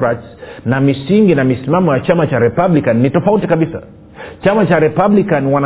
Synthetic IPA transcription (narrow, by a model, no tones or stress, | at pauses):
ɾatsnamisiŋɡinamisimamɔjat͡ʃamat͡ʃaɾɛpaɓlikanːitɔfautikaɓisa̰ | t͡ʃamat͡ʃaɾɛpablikanwana